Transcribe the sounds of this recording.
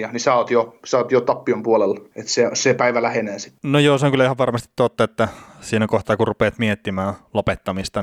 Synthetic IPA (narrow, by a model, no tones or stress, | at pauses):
ɑnisɑot̪josɑɑˑt̪jot̪ɑpːiompuolelet̪sesepæiʋælæhenæːsi̥t̪nojoːseõŋkylæihɑʋʋɑrmɑst̪it̪t̪ot̪ːɑet̪ːæsiːnækoht̪ɑkurrupeːt̪miet̪ːimæːlopet̪ːɑmist̪ɑ